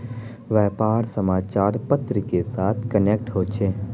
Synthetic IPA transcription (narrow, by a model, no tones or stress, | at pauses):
ʋɛːpaːɾsəmaːt͡ʃaːɾpət̪ɾəkesaːt̪ʰkəneːk̚ʈɦoːt͡ʃʰeː